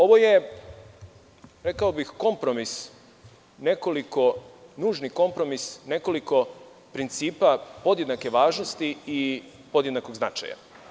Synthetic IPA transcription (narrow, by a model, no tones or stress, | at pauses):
o̞ʋo̞je | ɾekaobixko̞mpɾo̞mis | ne̞ko̞liko̞nuːʒniko̞mpɾo̞misne̞ko̞liko̞ | pɾint̪siːpapo̞d̪jed̪nake̞ʋaːʒnost̪ii | po̞d̪jed̪nakoɡzna̰t͡ʃa̰ja̰